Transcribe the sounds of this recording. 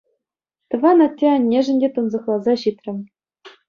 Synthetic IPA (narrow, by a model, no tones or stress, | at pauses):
t̪ɤ̆ʋɑnɑt̪ʲːeɑnʲːeʐɘ̆nʲdʲet̪ɤnzɤ̆χlˠɑzɑɕit̪ʲrʲɘ̆m